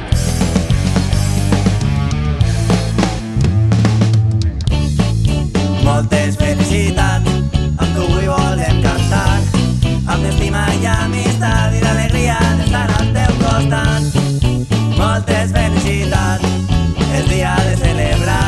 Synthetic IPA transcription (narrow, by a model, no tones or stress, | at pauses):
mɔlt̪ezβelisit̪at͡samk̪uɣiβɔleŋkant̪an | amd̪est̪imaʎamist̪aβiðaleɣɾiaðest̪aɾalt̪ewkost̪an | mɔlt̪eszβelisit̪a | t͡s | elðiaðeseleβɾa